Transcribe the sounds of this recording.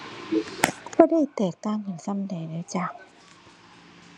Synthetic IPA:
bɔː˧˦da˥˨jt̪ɛː˨˩k̚t̪aː˥˩˨ŋkɯ˧˩˨nsa˧˥˨mda˨˩˦naː˧˦t͡ɕaː˧˩ŋ

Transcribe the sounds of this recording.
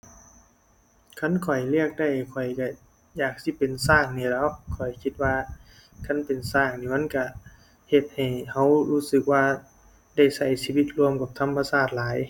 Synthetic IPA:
kʰa˧˥˨nkʰɔ˨˩jlɯ˧˥˩ək̚da˧˩jkʰɔ˨˩jka˧˩ | jaː˨˩k̚si˧˥pe˨nsaː˧˩ŋniː˧˩lɔ˧˥wkʰɔ˨˩jkʰi˧˦t̪̚waː˧ | kʰa˧˥˨npe˨nsaː˧˩ŋniː˧˩ma˧˥˨nka˧˩ | he˧t̪̚ha˨˩jha˧˥wluː˧˥sɯ˧˦k̚waː˧ | da˧˩jsa˧˩jsiː˧wi˧˥t̪̚lu˧əmka˧˩p̚t̪ʰa˧˥mːa˧saː˧˩t̪̚laː˨˦j

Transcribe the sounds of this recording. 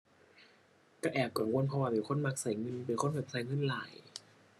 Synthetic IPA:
ka˧˩ʔɛː˨˩p̚ka˨˩ŋwo˧˥˨npʰɔ˧waː˧pe˨˩nkʰo˧˥˨nmaː˧˩k̚sa˨˩˦jŋɤ˧˥npe˨˩nkʰo˧˥˨kʰa˨˩p̚sa˨˩jŋɤ˧˥˨nlaː˨˩˦j

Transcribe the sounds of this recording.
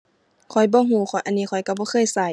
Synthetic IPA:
kʰɔ˨˧˩jbɔː˧˦ɦuː˧˦xʰɔ˨˦jʔa˧˨nːiː˧˩kʰɔ˧˩jka˧˩bɔː˧˦xʰɤː˧˨jsa˧˩

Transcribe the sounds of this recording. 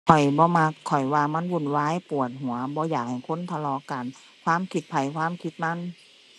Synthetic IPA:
kʰɔ˨˩jbɔː˧˦ma˧kʰːɔ˨˩jwaː˧ma˧˥˨nwuː˧˩˨nwaː˧˥˨jpu˨˩ət̪̚ɦu˨˩˦ɐbɔː˧˦jaː˨˩k̚ha˨˩jkʰo˧˥˨nt̪ʰa˧lɔː˧ka˨n | kʰwaː˧˥˨mkʰi˧˦t̪̚pʰa˨˩jkʰwaː˧˥˨mkʰi˧˥t̪̚ma˧˥˨n

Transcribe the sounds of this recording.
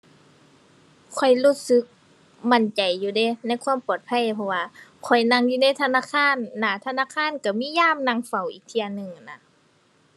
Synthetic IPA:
kʰɔ˨˩jluː˧˩t̪̚sɯ˧˦k̚ | ma˧˩˨nt͡ɕa˨˩jːuː˧de˧˩na˧˥˨jkʰwuː˧˥˨mpɔː˨˩t̪̚pʰa˧˥˨jpʰɔ˧waː˧kʰɔ˨˩jna˧˨ŋjuː˧na˧˥˨jt̪ʰa˧naː˧˥˨kʰaː˧˥˨nːa˧˩t̪ʰa˧naː˧˨kʰaː˧˥˨nka˧˩miː˧˥˨jaː˧˥˨mna˧˨ŋfa˨˩wʔḭː˨˩k̚t̪ʰi˧ɐ˧nɯ˧ŋ˨na˧

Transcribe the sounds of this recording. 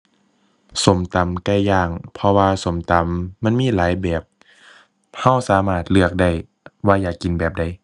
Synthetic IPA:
so˨˦mt̪a˨˦mkɛ˧˩jjaː˧˩ŋpʰɔ˧waː˧so˨˩˦mt̪a˨˦mːa˧˥˨nmiː˧˥˨laː˨˦jbɛː˨˩p̚ | ha˧˩wsaː˨˦maː˧˩t̪̚lɯ˧˩ək̚da˧˩j | waː˧jaː˨˩kːi˨nbɛː˨˩p̚da˧˩j

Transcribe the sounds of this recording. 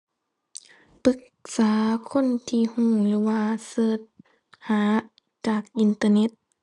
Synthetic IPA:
pɯ˧˦k̚ | saː˩˦kʰo˧˥˨nt̪ʰiː˧˨huː˧˩ŋlɯː˨˦waː˧sɤː˧˩t̪̚ | haː˨˦ | t͡ɕaː˨˩k̚ʔi˧nt̪aː˧ne˧˥t̪̚

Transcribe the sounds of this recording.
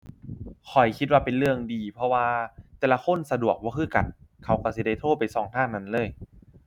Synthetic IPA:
kʰɔ˨˩jkʰi˧˥t̪̚waː˧pe˨nlɯ˧əŋdiː˨˧pʰɔ˧waː˧t̪ɛː˨˩la˧xʰo˧˥˨nsa˧du˨˩ək̚bɔː˧˩kʰɯː˥˩ka̰˨˩t̪̚kʰa˦˥wka˧˩si˧˦da˧˩jt̪ʰoː˥˩t̪̚pa˨˩jsɔː˨˩˦ŋt̪ʰaː˥˩ŋna˧˥nlɤː˧˥˩j

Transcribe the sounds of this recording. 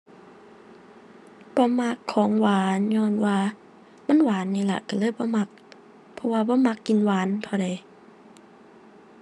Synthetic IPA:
b̥ɔː˧˦ma˧kʰːɔː˨˦ŋwaː˨˦nɲɔː˧˥˨nwaː˧ | ma˧˥˨nwaː˨˦nːiː˧˩˨la̰˧˨ka˧˩lɤː˧˥˨jbɔː˧˦ma˧˩k̚ | pʰɔ˧waː˧bɔː˧˦ma˧˦kːi˨nwaː˨˦npʰɔ˧˩da˨˩j

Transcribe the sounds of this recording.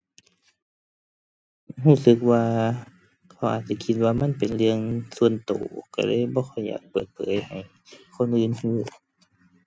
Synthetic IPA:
huː˧˥˩sɯ˧˦k̚waː˧ | kʰa˧˩wʔaː˨˩t̪̚t͡ɕia˧˩kʰi˧t̪̚waː˧ma˧˥˨npe˨˩nlɯ˧əŋsu˧ənt̪o̰ː˨˩ka̰˧˩lɤ̰ː˧˥˨jbɔː˧˦xʰɔ˧˩jːa̰ː˨˩k̚pɤː˨˩t̪̚pʰɤː˨˦jha˨˩j | kʰo˧˥˨nʔɯː˧˨nhiː˧˩

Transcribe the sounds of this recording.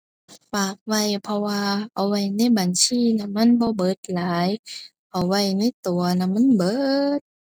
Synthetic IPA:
paː˨˩p̚wa˧˩jpʰɔ˧waː˧ʔa˨˩wwa˧˩jna˧˥˨jba˨nsiː˧˥˨na˧ma˧˥˨nbɔː˧˦bɤː˨˦t̪̚laː˨˦j | ʔa˨˩wːa˧˩jna˧˥˨jt̪u˨˩˦ɐna˧˨ma˧˥˨nbɤː˧˦t̪̚

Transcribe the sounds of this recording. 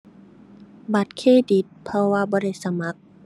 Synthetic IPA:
ba˨˦t̪̚kʰeː˧˥˨di˨˦t̪̚pʰɔ˧waː˧bɔː˧˦da˥˩jsa˧ma˧˦k̚

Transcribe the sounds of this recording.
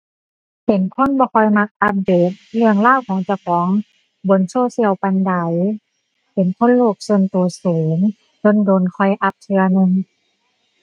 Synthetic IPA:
pe˨˦nkʰo˧˥˨nbɔː˧˦kʰɔ˧˩jma˧k̚ʔa˧p̚deː˧˩t̪̚lɯ˧əŋlaː˥˨wkʰɔː˨˦ŋt͡ɕa˧˩˨wkʰɔː˨˦ŋ | bo˨˧˦nsoː˧˥˨si˧˩ə˨wpa˧nda˨˧˦j | pe˨˦nkʰo˧˥˨nloː˧˩k̚su˧ə˨nt̪u˨˩ɐ˦suː˨˦ŋ | t͡ɕo˧˥˨ndoː˨nkʰɔ˧˩jʔa˧p̚tʰɯ˧ɐnɯ˧ŋ

